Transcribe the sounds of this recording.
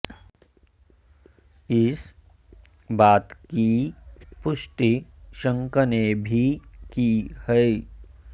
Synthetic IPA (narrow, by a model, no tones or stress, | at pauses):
ɪs | baːt̪kipʊʃʈiʃə̃ŋkənebʱikihɛe